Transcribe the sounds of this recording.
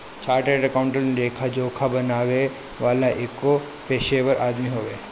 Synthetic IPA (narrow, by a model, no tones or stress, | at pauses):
t͡ʃaːɾʈeʈɐkaʊ̃ɳʈəlneleːkʰad͡ʒoːkʰabɐnaːɡɐe | ʋaːlaʔekːo | peːʃeːʋəɾʔaːd̪miɦoːɡɐe